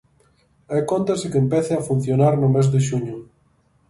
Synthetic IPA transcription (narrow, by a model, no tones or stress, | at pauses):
ekont̪esɪkempɛθeafun̟θjonaɾnʊmezðeʃuɲʊ